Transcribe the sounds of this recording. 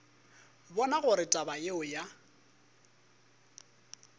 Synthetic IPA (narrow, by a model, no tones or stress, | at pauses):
bɔnaɣʊɾɪtʼabaeʊja